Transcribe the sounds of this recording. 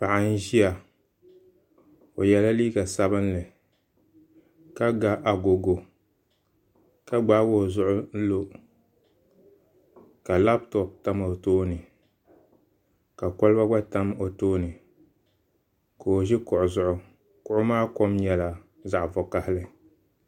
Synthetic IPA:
pa˨ʔa˨n̩˦ʒi˦a˨ | o˨jɛ˨la˦liː˦ɡa˨sa˦bɨ˦nlɨ˨ | ka˦ɡa˦ʔa˨ɡo˨ɡo˨ | ka˦ɡ͡ba˦bo˦˨zʊ˦ʔʊ˦n̩˦lo˦ | ka˨la˦b̚tɔ˨p̚ta˦ma˨o˨toː˦nɨ˨ | ka˨ko˦lba˦ɡ͡ba˦ta˦mo˨toː˦nɨ˨ | ko˨o˨ʒɪ˦kʊ˨ʔʊ˨zʊ˦ʔʊ˦ | kʊ˦ʔʊ˦maː˦ko˦mɲɛ˨la˨ | za˨ʔvɔ˨ka˨hɪ˦lɨ˦

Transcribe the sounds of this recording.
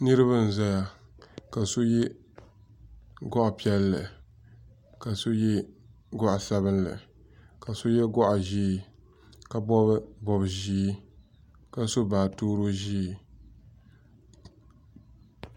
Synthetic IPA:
nɨ˦ɾɨ˦βɨ˦n̩˨za˦ja˨ka˨so˦jɛ˦ | ɡɔ˦ʔpi˦ɛ˦lːɨ˨ | ka˨so˦jɛ˦ | ɡʊ˦ʔa˨sa˦βɨ˦nlɨ̰˨ | ka˨so˦jɛ˦ɡɔ˦ʔa˨ʒiː˦ | ka˨bɔ˦bbɔ˨bʒiː˦ | ka˨so˦baː˨toː˦ɾo˦ʒiː˦˨

